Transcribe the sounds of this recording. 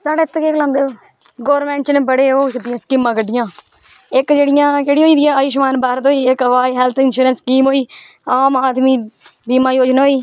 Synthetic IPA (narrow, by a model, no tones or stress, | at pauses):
saːɽeːt̪ːkeːklãnd̪eː | ɡoːəɾmẽːɳʈt͡ʃnẽːbəɽeːoːkɪt̪ɪjãːskɪmãːkəɖːɪjãː | ɪkd͡ʒeːɽɪjãːkeːɽiɦoːiːd̪ɪjãːaːjɪʃmaːnbaːɾt̪oːiːɪkəʋaːiːɦɛlt̪ʰɪnʃuːɾənskiːmɦoːiːaːmaːd̪miːbiːmãːjoːd͡ʒnaːɦoːiː